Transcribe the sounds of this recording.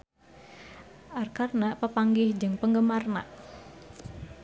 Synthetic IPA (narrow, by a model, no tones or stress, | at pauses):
ʔarkarnaʔpəpaŋɡɪhd͡ʒɨŋpəŋɡəmarna̰ʔ